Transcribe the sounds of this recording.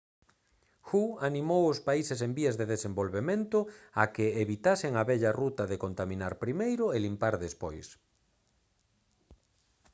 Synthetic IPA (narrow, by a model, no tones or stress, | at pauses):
xuanĩmowʊspaises̬embiɐzðeðesembolβemẽnt̪ʊakɪeβit̪asɪŋaβɛʎɐrut̪ɐðekont̪amĩnaɾpɾimejɾʊelimpaɾðespojs